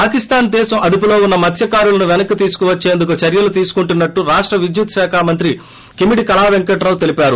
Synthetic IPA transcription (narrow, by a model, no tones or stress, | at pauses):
paːkist̪aːnd̪ɛːʃɐmʔɐd̪ipulo̞ːunːɐmɐt̪ʰjɐkaːɾulɐnuʋɛnɐkːit̪iːsu̥kuʋɐt͡ʃːe̞ːnd̪uk̬ut͡ʃɐɾjɐlut̪iːsu̥kuɳʈunːɐʈːuɾaːʂʈɾɐʋid͡ʒjut̪ʃaːkʰaːmɐnt̪ɾi | kimiɽikɐlaːʋeŋkɐʈɾɐlt̪e̞lipaːɾu